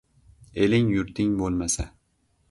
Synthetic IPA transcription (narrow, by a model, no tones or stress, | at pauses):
e̞lɪŋjʊɾt̪ʰɪŋbolˠmasa